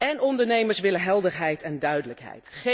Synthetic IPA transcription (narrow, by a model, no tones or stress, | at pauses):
ɛnɔndəɹnejməɹsʋɪləɦɛlˠdəɹɦɛjtɛndœɥdələkɦɛ̰jtχe